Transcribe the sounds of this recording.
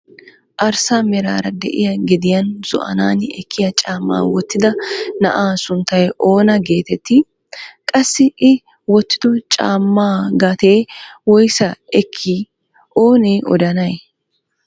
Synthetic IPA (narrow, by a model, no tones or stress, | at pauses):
ʔɐɾsaːmɛɾa̰ːɾɐd̪ɛ̰ʔɪjɐɡɪd̪ɪjɐnz̥ɔ̰ʔɐ̰naːnɛkʰːɪjɐt͡ʃʼaːmːa̰ːwɔt̪ːɪd̪ɐnɐ̰ʔaːsʊnt̪ːɐjʔo̞ːnɐɡe̞ːt̪ɛt̪ːɪ | kʼɐsːɪʔɪ | wɔt̪ːɪ̥d̪ɔt͡ʃʼa̰ːmːaːɡɐt̪e̞ːwɔjsɐɛkʰːi | ʔo̞ːneːʔɔ̰d̪ɐnɐj